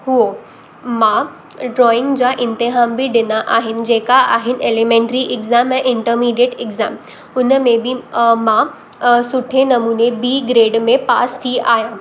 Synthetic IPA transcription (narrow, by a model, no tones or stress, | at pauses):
ɦuo | mã | ɖɾɔːɪ̃ŋɡd͡ʑaʔɪ̃nt̪ɪɦaːmbɪɖɪnaʔaːɦɪnɪ̆d͡ʑeːkaaːɦɪnɪ̆ʔeːlemẽːɳʈɾiʔɪɡzaːmɛ̃ːʔɪ̃ɳʈəɾmiːɖieʈɪɡzaːm | ʊnəmẽbɪmã | sʊʈʰenɐmuːnebiːɡɾeːɖmẽpaːst̪ʰiaːɦjãː